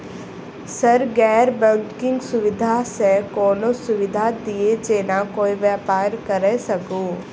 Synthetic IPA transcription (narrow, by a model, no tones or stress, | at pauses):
sɐɾɡɛːɾbə̃kɪ̃ŋɡsʊʋɪd̪ʱasekoːlõsʊʋɪd̪ʱad̪ied͡ʒeːnakoːiʋjaːpaːɾkɐɾesɐɡũː